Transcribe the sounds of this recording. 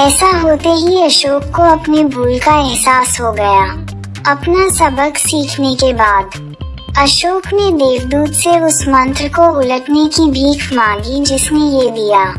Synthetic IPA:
ɛːsaɦoːt̪eɦiɐʃoːkkːoɐpnebʱuːlkaɛɦsaːsɦoɡɐjaː | ɐpnasɐbəɡsiːkʰnekebaːd̪ | ɐʃoːkned̪eːʋd̪uːd̪seʊsmɐ̃nt̪ɾəkoʊləʈnekibʱiːkʰmãːŋɡid͡ʒɪsnejed̪ijaː

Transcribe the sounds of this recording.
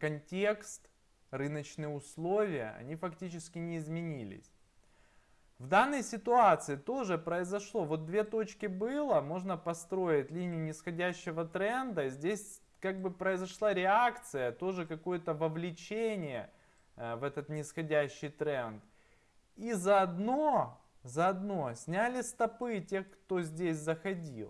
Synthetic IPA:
kɐnʲtʲekst̪ | rɨnət͡ɕnɨjəʊslˠo̞vʲɪjə̰ɐ̰nʲifɐktʲit͡ɕɪskʲɪnʲɪːzmʲɪnʲilʲɪ̰sʲ | vd̪anːəjsʲɪt̪ʊat̪sɨɪt̪o̞ʐɨpɾəɪzɐʂlˠo̞vo̞t̪̚d̪vʲet̪o̞t͡ɕkʲɪbɨlˠəmo̞ʐnəpɐst̪ɾo̞ɪtʲlʲinʲɪjʊnʲɪsxɐdʲæɕːɪvət̪ɾɛnd̪əzʲdʲesʲ | kaɡ̚bɨpɾəɪzɐʂlˠaɾʲɪakt̪sɨjət̪o̞ʐɨkɐko̞jʊt̪əvəvlʲɪt͡ɕenʲɪjə̰ | vɛt̪ət̪nʲɪsxɐdʲæɕːijt̪ɾɛnt̪ | izəɐd̪no | zɐɐd̪no̞sʲnʲælʲɪst̪ɐpɨtʲe̞xkt̪o̞zʲdʲesʲzəxɐdʲḭlˠ

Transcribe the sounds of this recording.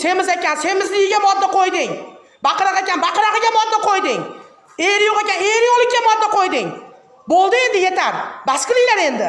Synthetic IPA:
se̞mɪzakʲanse̞mɪzlɪjɪɡʲamɒd̪ːaqʰojd̪ɪŋ | baqɨɾɑqekʲanbaqɨɾaχɨɡʲamɒd̪ːaqʰojd̪ɪŋ | eɾjoʁekʲaneɾjɒlˠɪk̚ʲːamɒd̪ːaqʰojd̪ɪŋ | bolˠd̪ɪe̞nd̪ɪje̞t̪aɾbasqɪlˠɪjlaɾe̞nd̪ɪ

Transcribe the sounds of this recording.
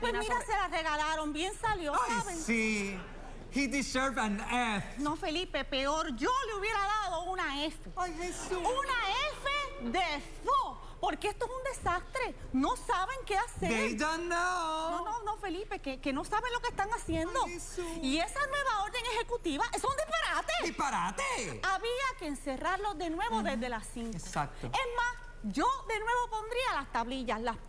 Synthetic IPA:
pwesnmiɾaselare̞ɣalaɾo̞mbje̞nsaljoaβeŋsi | hidisɜ˞vdɨ̃nɛfnofe̞lipe̞peoɾd͡ʒo̞leuβje̞ɾaðaðo̞unaefe | unaefeðe | fo | po̞ɾkeest̪oesund̪e̞sast̪ɾe̞no̞saβe̞ŋke̞aseɾd͡ʒanonononofe̞lipe̞keke̞no̞saβe̞ŋlo̞kest̪aŋasje̞nd̪o̞ | ie̞sanwe̞βao̞ɾðe̞ŋe̞he̞kut̪iβaʔesond̪ihpaɾat̪ed̪ipaɾat̪eaβiake̞ːnse̞raɾlo̞ðe̞nwe̞βo̞ðezðe̞lasiŋkeoakt̪oezmas | d͡ʒo̞ðe̞nwe̞βo̞po̞nd̪ɾialast̪aβliʝaslas

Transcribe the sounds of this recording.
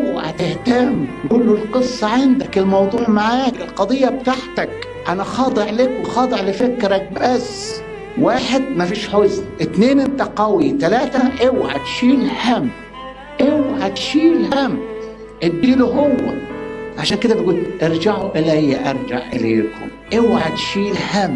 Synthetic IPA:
wʕa̰t̪ɪht̪æːmwʔʊlːolqɨsˤːɑʕand̪ækɪlmɑwd̪ˤuːʕmaʕaːkɪlqɑd̪ˤɨjːɑb̚t̪aʕt̪æk | ʔænæxɑːd̪ˤɨʕlekwexɑːd̪ˤeʕlɪfekɾæk̚bbæs | waːħed̪̚mæfiːʃħoznʔɪt̪neːnʔɪnt̪æqɑwit̪ælæːt̪æʔewʕa̰d̪ʃiːlhæmː | ʔewʕad̪ʃiːlhæmː | ʔɪd̪ːiːluɦowːæ̰ʕaʃæːnkɪd̪æbɪɡuːlʔeɾˤd͡ʒaʕʔɪlæjːæʔɑɾˤd͡ʒaʕʔɪ̰leːkʊ̰mʔewʕad̪ʃiːlhæmː

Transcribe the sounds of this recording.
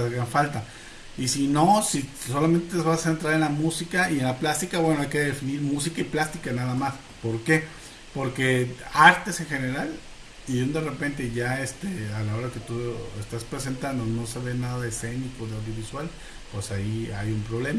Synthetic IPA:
ɣɾaɱfalt̪a | isino̞siso̞lament̪eβasaent̪ɾaɾe̞nlamusikaienlaplast̪ikaβwe̞noajke̞ðe̞finiɾmusikaiplast̪ikanaðamas | po̞ɾke̞ | po̞ɾke̞aɾt̪e̞se̞ŋxe̞ne̞ɾal | iund̪ere̞pe̞nt̪e̞ʝaest̪ealao̞ɾake̞t̪uest̪aspɾe̞s̬e̞nt̪and̪ono̞se̞βe̞naðaðese̞nikoðeawðjo̞βiswal | pwe̞saiajumpɾo̞βle̞ma

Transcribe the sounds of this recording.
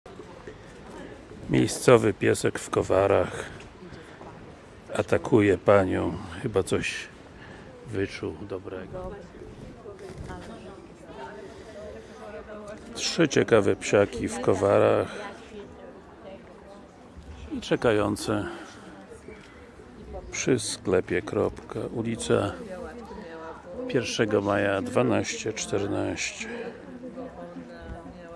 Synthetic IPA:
mʲjḛjst̪sɔvɘpʲjɛsɛkfkɔvaɾax | at̪akʰujɛpaɲɔ̃w̃xɘbat̪sɔʑ | vɘt͡ʂud̪ɔbɾɛɡɔ | tʂɘt͡ɕɛkavɛpʂakʲifkɔvaɾax | it͡ʂɛkajɔnt̪sɛ | pʂɘsklɛpʲjɛkɾɔ̰pkaʔulʲit̪sa̰ | pʲjɛɾfʂɛɡɔmajad̪vanaɕt͡ɕɛt͡ʂt̪ɛɾnaɕt͡ɕɛ

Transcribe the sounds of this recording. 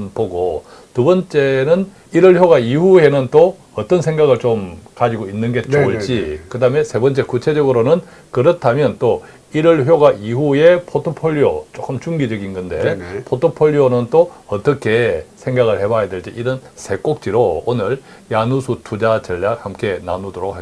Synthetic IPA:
npoɡo | tubʌnt͡ɕ͈e̞nɯn | iɾɯɭçjoɡaiue̞nɯnt͈o | ʌt͈ʌnsʰe̞ŋɡaɡɯɭt͡ɕomkad͡ʑiɡoinːɯnɡe̞t͡ɕoɭt͡ɕ͈ikɯdaɦɯme̞sʰe̞bʌnt͡ɕ͈e̞kut͡ɕʰe̞d͡ʑʌɡɯɾonɯn | kɯɾʌtʰamjʌnt͈o | iɾɯɭɦjoɡaʔiɦue̞pʰotʰopʰoʎːiot͡ɕ͈ok͈ɯmt͡ɕuŋɡid͡ʑʌɡinɡɯnde̞̰pʰotʰopʰoʎːionɯnt͈oʌt͈ʌkʰe̞sʰe̞ŋɡaɣɯɭhe̞bajadweɭt͡ɕiʔiɾʌnsʰe̞k͈ok̚t͡ɕ͈iɾoonɯɾ | janusʰutʰud͡ʑat͡ɕʌʎːak̚hamk͈e̞na̰nudoɾok̚ha

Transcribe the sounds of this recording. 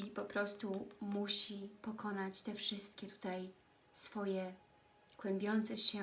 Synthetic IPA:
ipɔpɾɔst̪umuɕipɔkʰɔnat͡ɕt̪ɛfʂɘst̪kʲɛt̪u̥t̪aj | sfɔjɛ | kwɛmbʲjɔnt̪sɛɕɛ

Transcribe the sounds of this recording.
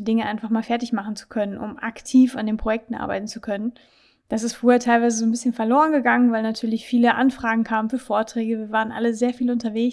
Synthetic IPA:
dɪŋəʔa̰ɪnfaχmaːlfɛɐtɪçmaχn̩t͡su̥kʰœnənʔʊ̰mʔa̰ktʰiːfandeːnpʁ̥ojɛk̚tn̩ʔa̰ɐba̰ɪtn̩t͡sukʰœnən | d̥as̬ɪstfʁ̥yːɛɐtʰaɪlvaɪzəzoːnbɪsçənfɛɐloːʁ̞ənɡəɡaŋənvaɪlnatʰyːɐlɪçfiːləʔa̰nfʁ̥aːɡŋ̩kʰaːmənfyːɐfoːɐtʁ̥ɛːɡəviːɐvaːʁ̞ənʔa̰ləzeːɐfiːlʊntɐveːks

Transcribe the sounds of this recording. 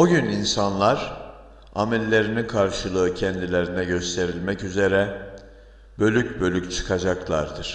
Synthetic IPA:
oɟyninsanlˠaɾ̥ | amɛlʲːe̞ɾinikʰaɾʃɯlˠɯɯcʰɛnd̪ilʲe̞ɾinɛɟø̞st̪ʰe̞ɾilʲmɛcyze̞ɾɛ | bø̞lʲycbø̞lʲyct͡ʃʰɯ̥kʰad͡ʒaklˠaɾd̪ɯɾ̥

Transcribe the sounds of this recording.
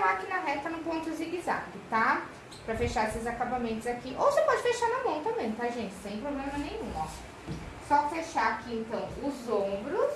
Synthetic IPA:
makinɐɦɛt̪ɐnʊ̃põt̪ʊziɡiza̰k̪ʊt̪a | pɾɐfeʃaɾesɪzakabamẽnt̪ʊzakiʔowsepɔd͡ʒɪfeʃanɐmɐ̃w̃t̪ɐ̃mbẽj̃t̪aʒẽt͡ʃɪ̥sẽj̃pɾoblẽmɐnẽj̃ũɔ | sɔfeʃaɾakiẽt̪ɐ̃w̃ʊzõbɾʊs

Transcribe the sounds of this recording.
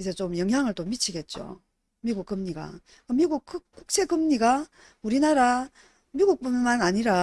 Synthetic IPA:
id͡ʑe̞t͡ɕomjʌŋɦjaŋɯɭt͈omit͡ɕʰiɡe̞t̚t͡ɕ͈o̰ | miɡuk͈̚ɯmɲiɡa̰ | kɯmiɡuk̚k͈ɯk͈uk̚t͡ɕ͈ʰe̞kɯmɲiɡa | uɾinaɾa | miɡuk̚p͈unmanaɲiɾa

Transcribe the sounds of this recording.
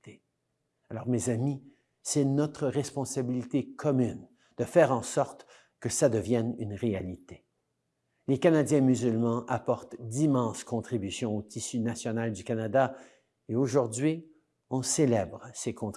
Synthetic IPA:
t̪e | alɔʁmezami | sɛnɔt̪χəʁɛspɔ̃sabilit̪ekʰɔmyn | d̪̥əfɛːʁɑ̃sɔʁt̪ | kəsad̪əvjɛny̰nʁealit̪e̥ | lekanad̪jɛ̃myzylmɑ̃ʔapɔʁt̪d̪imɑ̃skɔ̃t̪χibysjɔ̃ot̪ʰisynasjɔnald̪ykanad̪a | eoʒuʁd̪ɥi | ɔ̃selɛbʁsekʰɔ̃t̪

